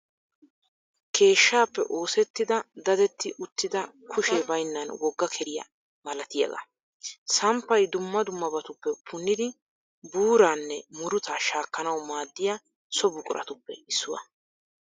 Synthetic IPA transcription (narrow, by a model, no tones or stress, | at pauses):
kʰe̞ːʃːaːpːɛ̰ʔo̞ːsɛt̪ːɪd̪ɐd̪ɐd̪ɛt̪ːɪʔʊt̪ːɪd̪ɐ | kʰʊʃɛbɐjnːɐnwɔɡːɐkʰɛɾɪjɐ̰ | mɐlɐt̪ɪjɐ̰ɡɐ̰ | sɐmpːɐjd̪ʊmːɐd̪ʊmːɐbɐt̪ʊpːɛpʰːʊnːɪd̪ɪ | buːɾaːnːɛmʊɾʊt̪ɐʃaːkːɐnɐwmaːd̪ːɪja | sɔbʊkʼʊ̰ɾʔɐ̰t̪ʊpːɛɪsːʊwɐ̰